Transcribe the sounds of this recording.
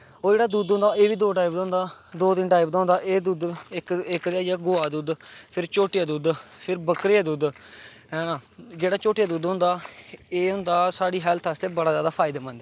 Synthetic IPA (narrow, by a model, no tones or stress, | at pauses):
oːd͡ʒeːɽaːd̪uːd̪ɦõnd̪aːeːʋiːd̪oːʈaːɪbd̪ãːnd̪aːd̪oːt̪ɪnʈaːɪbd̪ãːnd̪aːʔeːd̪uːd̪ɪkɪkɾaːjaːɡoːaːd̪uːd̪pʰɪɾt͡ʃoːʈɪjaːd̪uːd̪pʰɪɾbəkɾɪjaːd̪uːd̪ | aːd͡ʒeːɽaːt͡ʃoːʈɪjaːd̪uːd̪ɦʊ̃nd̪aːeːɦʊ̃nd̪aːsaːɽiːɦɛlt̪ʰəst̪eːbəɽaːzjaːd̪aːpʰaːɪd̪aːmə̃nd̪ː